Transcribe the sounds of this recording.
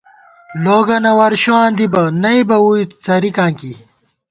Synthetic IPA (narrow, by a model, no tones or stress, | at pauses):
loːɡɐnɐwɐɾɕoãːnd̪ibɐnɐibɐwujt͡sɐɾikãːŋki